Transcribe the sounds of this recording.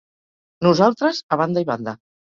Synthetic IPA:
nuzalˠt̪ɾəzaβ̞and̪aiβand̪a

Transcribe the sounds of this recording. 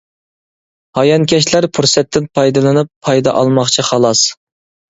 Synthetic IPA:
hɑjɑnkʲʰɛʃlæɾpʰuɾsɛt̪ʰːɪnpʰɑjd̪ɨlˠɨnɨpʰːɑjd̪ɑʔɑlˠmɑχt͡ʃʰiχɑlˠɑs

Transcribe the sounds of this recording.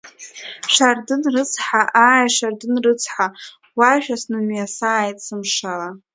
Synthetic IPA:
ʂardɨnrɨt͡sʰħaʔajaʂardɨnrɨt͡sʰħa | waʃᶣasnɨmjasaːjtʼsɨmʂala

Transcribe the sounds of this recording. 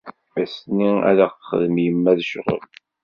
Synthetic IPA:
æsniæ̰ɾaqχə̰ðəmjəmːæðʃʁə̰l

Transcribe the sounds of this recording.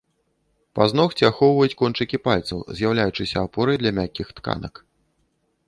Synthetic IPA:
paznɔxt͡sʲiaxɔwvɐjut͡sʲkɔnt͡ʂɨkʲipalʲt̪sɐwzʲjawlʲajut͡ʂɨsʲɐːpɔɾɐjd̪lʲɐmʲakʲixt̪ka̰nɐ̰k

